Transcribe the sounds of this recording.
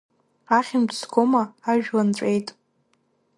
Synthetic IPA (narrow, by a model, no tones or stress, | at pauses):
aχʲɪmpʰsɡomaːʒᶣlant͡ɕʷʼejtʼ